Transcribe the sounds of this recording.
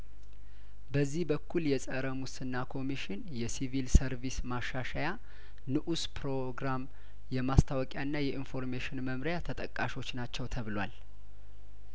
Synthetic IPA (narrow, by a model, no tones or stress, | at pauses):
bəzːihbəkʰːuljɛsʼəɾəmusɨnːakʰo̞miʃɪnjɛsivilsəɾvismaʃːaʃaja | nɨʔuspʰɾo̞ɡɾam | jɛmast̪ʰawɔkʼjaɨnːajɛʔinfo̞ɾmeʃɪnməmɾjat̪ʰət̪ʼəkʼːaʃo̞t͡ʃːnat͡ʃːɛwt̪ʰəβɨlwa̰l